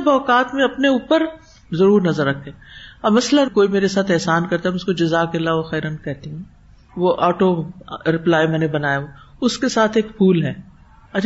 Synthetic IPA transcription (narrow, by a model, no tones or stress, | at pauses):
bɔːkaːt̪mẽɐpneuːpəɾ | zɐɾuːɾnɐzəɾːɐkʰːẽːɐbmɐslakoːimeːɾesaːt̪ʰɛɦsaːnkɐɾt̪aɦɛʊskod͡ʒɐzaːkelaːʋoxɛːɾənkɛɦt̪iɦɛ̃ː | ʋoʔaːʈoɾɪplaːjmɛːnebɐnaːjaoʊskesaːt̪ʰeːkpʰuːlɦɛː | ɐt͡ʃʰ